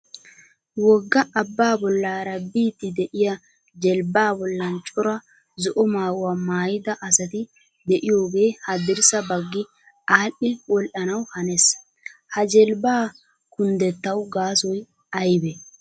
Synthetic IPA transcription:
wɔɡːɐːbːaːbɔlːaːɾɐbiːt̪ːɪd̪ɛʔɪjɐ | d͡ʒɛlbaːbɔlːɐnt͡ʃʼɔɾɐ | zɔʔɔmaːɡʊwaːmaːjɪd̪ɐʔɐsɐt̪ɪ | d̪ɛʔɪjo̞ːɡe̞ːhɐd̪ɪɾsɐbɐɡːɪ | aːʔɪwɔlʔɐnɐwhɐnɛs | hɐd͡ʒɛlbaː | kʊnd̪ɛt̪ːɐwɡaːsɔj | ɐjbɛ

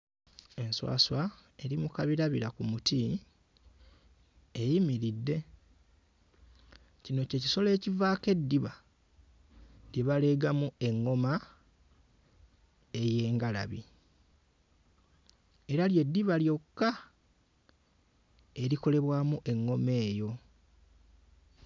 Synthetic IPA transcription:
e̞nswa̰ːswae̞ɾimukaβiɾaβiɾakumuti | ejimiɾidːe̞ | cino̞ce̞ci̥so̞le̞ːcivaːke̞dːiβa | ɾeβale̞ɡamue̞ŋːo̞ma | e̞je̞ːŋɡala̰βi | e̞ɾalje̞dːiβaljo̞kːa | e̞ɾiko̞le̞βwaːmuʔe̞ŋːo̞me̞ːjo̞

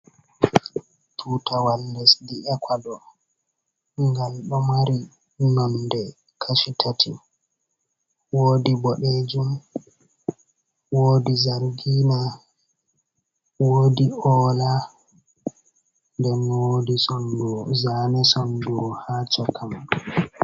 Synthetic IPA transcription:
tʰutawaldɛsdiʔɛkʰʷadɔ | ŋɡalɗɔmaɾi | nɔndɛ | kʰaʃitʰatʰi | woːdibɔɗed͡ʒum | woːdizaɾɡiːna | wodiɔːla | ndɛnwodisɔnduɔzaːnɛsɔnduɔhaːt͡ʃɔkʰam

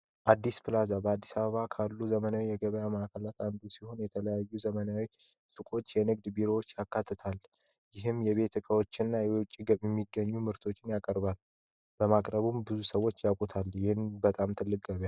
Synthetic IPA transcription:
ʔad̪ːispɨlazabəad̪ːisaβəβakʰalːuzəmənawijɛɡəβəjaməʔakʰəlat̪and̪usiho̞njɛt̪ʰələjajːuzəmənawi | sʼɨkʼo̞t͡ʃːjɛnɨɡ̚d̪biɾo̞wot͡ʃːjakːat̪ʰːɨt̪ʰal | jɪɦɨmjɛβe̞t̪ʰɨkʼəwo̞t͡ʃːɪnːajɛwʊt͡ʃʼːiɡəβjɛmːiɡːəɲːumɨɾt̪ʰo̞t͡ʃːɪnjakʼəɾbal | b̥əmakʼɾəβumbɨzusəwo̞t͡ʃːjakʼut̪ʰaljɪhɨnbət̪ʼamt̪ʰɨlːɨkʼɡəβja

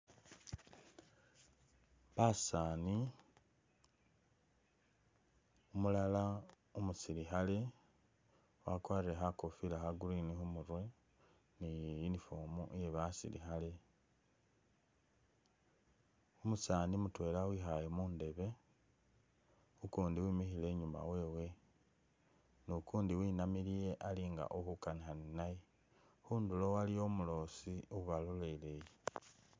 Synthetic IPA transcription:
βasaːni | umulala | omusiɾixale | wakwaːriɾe̞xako̞filaxaɡulinixumuɾwe̞ | nijjinifoːmoʔje̞βasḭlḭxale | omusaːnimutwe̞ːlawixajemuːnde̞βe̞ | ukuːndiwiːmixile̞ːɲuma̰we̞ːwe̞ | nokuːndiwiːnamilije̞ʔaliːŋɡa̰ʔohukanixaninaje | huːndulowalijo̞mulo̞siouβaluleleje

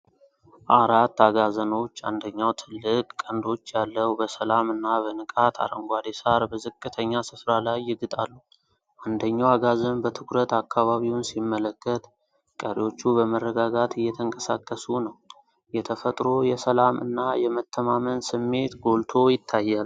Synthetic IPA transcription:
ʔaɾat̪ːaɡazəno̞t͡ʃːa̰nd̪əɲːawt̪ʰɨlːɨkʼkʼːənd̪o̞t͡ʃːjalːəwbəsəlamɨnːaβənɨkʼat̪ʰa̰ɾə̰ŋɡʷad̪esaɾbəzɨkʼːɨt̪ʰəɲːasɨfɾalajːɪɡɨt̪ʼalːu | ʔand̪əɲːawaɡazənbət̪ʰɨkʰɾət̪akʰːaβaβiwʊnsimːələkːət̪ | kʼəɾewo̞t͡ʃːubəmərːəɡaɡat̪ʰɨjːɛt̪ʰəŋkʼəsakʼːəsunəw | jɛt̪ʰəfət̪ʼɾo̞jɛsəlamɨ̰nːajɛmət̪ʰːəmamənsɨmːe̞t̪ɡo̞lt̪ʰo̞jɪt̪ʰːajːal

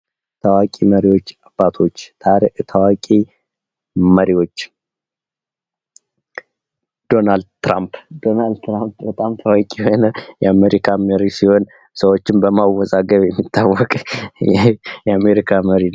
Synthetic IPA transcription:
t̪ʰəwakʼiməɾiwo̞t͡ʃːabːat̪ʰo̞t͡ʃːt̪ʰaɾiʔt̪ʰəwakʼi | məɾiwo̞t͡ʃː | d̪̥o̞nald̪t̪ɾampd̪o̞nald̪t̪ɾampbət̪ʼamt̪ʰəwakʼiho̞nəjɛame̞ɾikʰaməɾisiho̞n | səwot͡ʃːɪmbəmawɔzaɡəβjɛmːit̪ʰːawːɔkʼjɛjɛame̞ɾikʰaməɾi

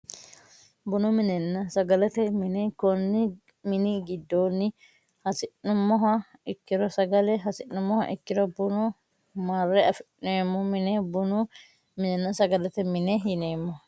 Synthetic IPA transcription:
bʊnʊmɪnɛnːɐsɐɡɐlɐt̪ɛmɪnɛkɔnːɪ | mɪnɪɡɪd̪ːoːnːɪ | hɐsɪnnʊmːɔɦɐɪkːɪɾɔsɐɡɐlɛɦɐsɪʔːʊmːɔhɐ̰ʔɪ̰kːɪɾɔbʊnʊ | mɐrːɛɐfɪʔneːmːɔmɪnɛbʊnʊ | mɪnɛnːɐsɐɡɐlɐt̪ɛmɪnɛɪneːmːɔ

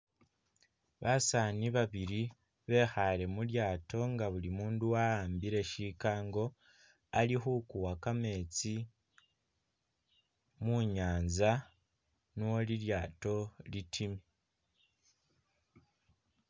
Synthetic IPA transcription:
βasaːniβaβiɾi | βe̞xale̞muljaːto̞ŋɡaβulimuːnduwaaːmbiɾe̞ʃikaːŋɡo̞ | aliɦukuwakame̞ːt͡si | muɲaːnza | nowoliɾjaːto̞litʰime

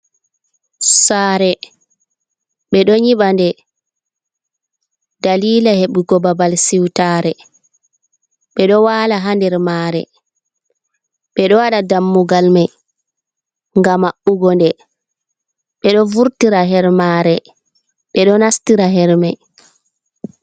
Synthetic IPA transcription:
saːɾɛ | ɓɛɗɔɲiɓandɛ | daliːlaheɓuɡɔbabalsiwtaːɾɛ | ɓɛɗɔwaːlaɦandɛɾmaɾɛ̰ | ɓɛɗɔwaɗadamːuɡalmaj | ŋɡamaʔuɡɔndɛ | ɓɛɗɔvuɾtiɾaɦɛɾmaɾɛ | ɓɛɗɔnastiɾaɦɛɾmaj

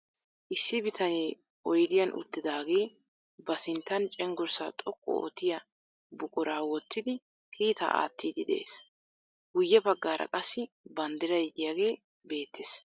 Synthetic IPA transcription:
ʔɪsːɪbɪt̪ʰɐneː | ɔjd̪ɪjɐnʔʊ̰t̪ːɪd̪aːɡe̞ː | bɐsɪnt̪ːɐnt͡ʃʼɛŋɡʊɾsa̰t̪ʼɔkʼːɔ̰o̰ːt̪ːɪjɐ | bʊkʼʊɾaːwɔt̪ːɪd̪ɪ | kʰiːt̪a̰ʔa̰ːt̪ːiːd̪ɪd̪ɛḛːs | ɡʊjːɛbɐɡːaːɾʔɐ̰kʼɐsːɪ | bɐnd̪ɪɾɐjd̪ɪjaːɡe̞ː | be̞ːt̪ːɪs

